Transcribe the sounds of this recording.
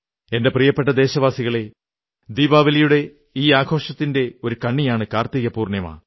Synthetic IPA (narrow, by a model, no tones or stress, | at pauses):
e̞ndeprijɐpːeʈːɐd̪e̞ːɕɐʋaːsiɣɐɭe̞ | d̪iːbaːʋɐlɐjuɽe̞ | iːaːɡʰʱo̞ːʂɐt̪ːinde̞o̞ɾukɐɳːijaːɳɨkaːrt̪iːɣɐpuːrɳjɐma̰ː